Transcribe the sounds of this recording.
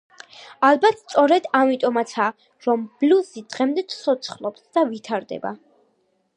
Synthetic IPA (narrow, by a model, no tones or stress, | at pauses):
alˠbat̪st̪sʼɔɾɛd̪amit̪ʼɔmat̪sʰa | ɾɔmb̥lusid̪ʁɛmd̪ɛt̪sʰɔt̪sʰχlˠɔpsd̪̥avit̪ʰaɾd̪ɛ̰ba̰